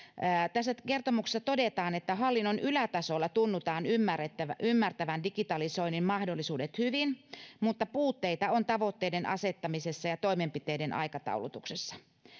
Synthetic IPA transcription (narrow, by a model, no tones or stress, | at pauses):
ət̪æsːækert̪omukse̥sːɑt̪odet̪ɑːnet̪ːæhɑlːinːonylæt̪ɑsolːɑt̪unːut̪ɑːnymːæret̪ːæʋæymːært̪æʋændikit̪ɑliso̞inimmɑhdolːisuːdet̪hyʋinmut̪ːɑpuːt̪ːeit̪ɑont̪ɑʋot̪ːeidenʔɑ̰set̪ːɑmisesːɑjɑt̪o̞imempit̪eidenʔɑ̰ikɑt̪ɑ̰ulut̪uksesːɑ̥